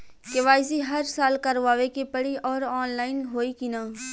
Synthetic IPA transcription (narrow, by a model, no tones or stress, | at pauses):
keʋaːɪziɦɐɾsaːlkɐɾʋaːʋekipɐɽiʔɔːɾɔːnlaːɪnɦoːikinaː